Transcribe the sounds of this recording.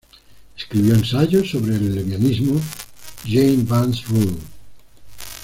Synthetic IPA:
eskɾiβjoẽnsaʝosːoβɾeːlːemjonizmoʒejmbansrul

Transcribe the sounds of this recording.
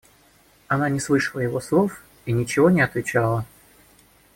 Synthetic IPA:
ɐnanʲɪslˠɨʂəlˠəjɪvo̞slˠo̞f | inʲɪt͡ɕɪvo̞nʲɪɐt̪vʲɪt͡ɕalˠə

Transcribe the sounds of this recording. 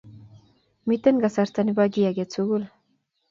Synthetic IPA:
mit̪enɡasaɾt͡saniβaɡiaɡet͡suɣul

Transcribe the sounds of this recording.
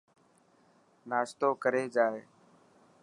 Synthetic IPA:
naːst̪oːkəɾeːd͡ʒaːeː

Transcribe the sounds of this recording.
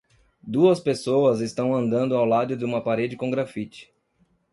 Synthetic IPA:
d̪uɐspesoɐzɪst̪ɐ̃w̃ɐ̃nd̪ɐ̃nd̪ʊawlad̪ʊd̪ɪũmɐpaɾed͡ʒɪkõɡɾafit͡ʃɪ̥

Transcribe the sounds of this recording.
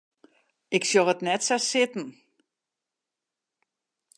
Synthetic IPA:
ɪksjoətnɛtsasɪtn̩

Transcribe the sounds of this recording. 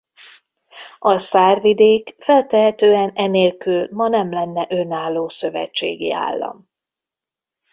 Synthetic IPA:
ɒsaːrvid̪eːkfɛlt̪ɛɦɛt̪øːɛnɛneːlkylmɒnɛmlɛnːɛʔø̞naːlːoːsøvɛ̰t͡ʃːḛːɡḭa̰ːlːɒ̰m

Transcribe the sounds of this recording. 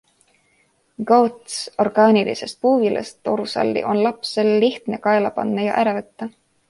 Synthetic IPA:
ɡowt̪so̞rɡ̥ɑːnilḭse̞st̪̚puːvilʔḛst̪o̞ɾusɑ̰lːḭʔo̞nlɑpse̞lːiht̪ne̞kɑe̞lɑpɑ̰nːɑjɑʔæɾɑvet̪ːɑ

